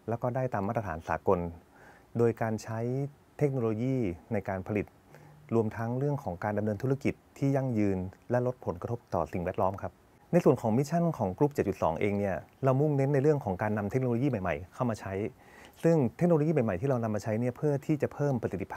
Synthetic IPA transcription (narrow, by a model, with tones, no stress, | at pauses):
lɛ˦˥wkɔː˥˩daː˥˩jt̪aː˧maː˥˩t̪ːɾa˧aː˩˦nsa̰ː˩˦ko˧n | doː˧jkaː˧nt͡ɕʰa˦˥j | t̪ʰe˦˥k̚noː˧loː˧jiː˥˩na˧jkaː˧npʰa˧li˨˩t̪̚ | ɾu˧əmt̪ʰa˦˥ŋɾɯ˥˩əŋkʰɔː˩˦ŋkaː˧nda˧mnɤː˧nt̪ʰu˦˥a˧ki˨˩t̪ʰːiː˥˩ja˥˩ŋjɯː˧nlɛ˦˥lo˦˥t̪̚pʰo˩˦nka˧t̪ʰo˦˥p̚t̪ɔ̰ː˨˩si˨˩ŋwɛː˥˩t̪̚lɔː˦˥mkʰa˦˥p̚ | na˧jsu˨˩ənkʰɔː˩˦ŋmi˦˥t͡ɕʰa˥˩nkʰɔː˩˦ŋkɾu˦˥p̚t͡ɕe˨˩t̪̚t͡ɕu˨˩t̪sɔ̰ː˩˦ŋʔeː˧ŋni˥˩ɐɾa˧wmu˥˩ŋne˦˥nːa˧jɾɯ˥˩əŋkʰɔː˩˦ŋkaː˧nːa˧mt̪ʰe˦˥k̚noː˧loː˧jiː˥˩ma˨˩jma̰˨˩jkʰa˥˩wmaː˧t͡ɕʰa˦˥j | sɯ˥˩ŋt̪ʰe˦˥k̚noː˧lo˧jiː˥˩ma˨˩jma˨˩jt̪iː˥˩ɾa˧wna˧mːaː˧t͡ɕʰa˦˥jni˥˩ɐpʰɯ˥˩ɐt̪ʰiː˥˩t͡ɕa˨˩pʰɤː˥˩mpːɾsi˨˩t̪ːi˧˦pʰː